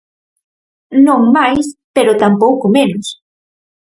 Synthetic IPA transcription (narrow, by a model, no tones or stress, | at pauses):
noŋmajspeɾot̪ampowkʊmenʊs